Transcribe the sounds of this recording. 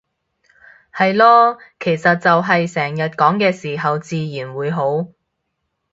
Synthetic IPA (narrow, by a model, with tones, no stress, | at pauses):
hɐ˨jlɔː˥kʰe˨˩jsɐ˨t̚t͡sɐ˨wɦɐ˨jsɛː˨˩ŋjɐ˨t̚kɔː˨˥ŋkɛː˧siː˨˩ɦɐ˨wt͡siː˨˧jiː˨˩nwuː˨˥jɦo˨˥w